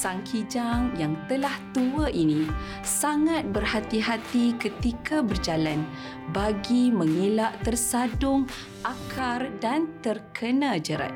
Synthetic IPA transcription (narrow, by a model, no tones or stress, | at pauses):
saŋkʰid͡ʒaŋjaŋt̪əlaht̪uəʔinĩ | saŋat̪̚bərhat̪iɦat̪ikət̪ikʰabərd͡ʒalan | baɡimə̃ŋilaʔt̪ərsadʊŋ | ʔakʰardant̪ərkʰənãd͡ʒəɾa̰t̪̚